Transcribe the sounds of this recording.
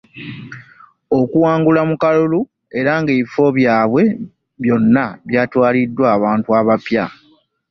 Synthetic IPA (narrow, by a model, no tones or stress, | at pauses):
o̞kuwaːŋɡulamukalulu | e̞ɾaŋɡeːβifo̞βjaːβwe̞ | βjo̞nːaβjaːtwaːlidːwaːβaːntuaβapja